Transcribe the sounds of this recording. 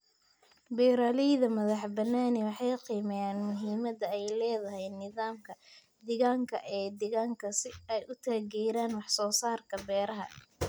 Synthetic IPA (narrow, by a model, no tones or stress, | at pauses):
bɛːɾaːlɛjðɐmɐðɑħbɐnːaːnɛwɑħɑjqiːmɛjaːnmʊɦiːmɐd̪ɐɛjlɛːðɐɦɛjnɪðaːmkʰɐ | d̪ɪɣaːŋkʰɐ̰ʔɛːd̪ɪɣaːŋkʰɐsɪɛjʊt̪ʰaːɣɛːɾaːnwɑħsɔːsaːrkʰɐbɛːɾɐɦɐ̰